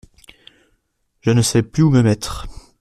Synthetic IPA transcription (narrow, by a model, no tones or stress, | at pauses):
ʒ̥ənəsɛplyuməmɛt̪χ